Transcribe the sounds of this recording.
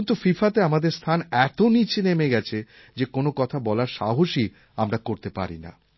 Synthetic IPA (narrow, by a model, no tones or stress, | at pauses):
nt̪ufifat̪eamad̪eɾst̪ʰanɛt̪onit͡ɕʰenemeɡɛt͡ɕʰe | d͡ʑekonokɔt̪ʰabɔlaɾʃa̰ɦoʃi | amɾakoɾt̪epa̰ɾḭna̰